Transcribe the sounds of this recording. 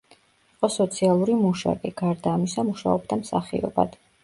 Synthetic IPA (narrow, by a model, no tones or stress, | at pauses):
iqʼɔsɔt̪sʰialˠuɾimuʃa̰kʼiɡaɾd̪aːmisamuʃa̰ɔbd̪amsaχḭɔ̰ba̰d̪̥